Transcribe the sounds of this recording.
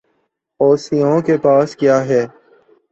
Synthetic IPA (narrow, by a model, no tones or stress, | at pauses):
ɔːsijõkepaːskjaːɦɛː